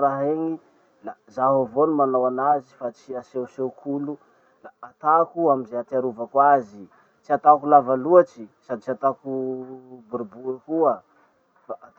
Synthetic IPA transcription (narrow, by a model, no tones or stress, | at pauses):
ɾaɦeŋi | lazaɦavonimanawanazifat͡ʃiasewsewkʰulu | laːt̪akuamizeat̪iaɾuvakwazi | t͡ʃiat̪akulavaluat͡ʃisad̪it͡ʃiat̪aku | buɾibuɾakuə | faʔat̪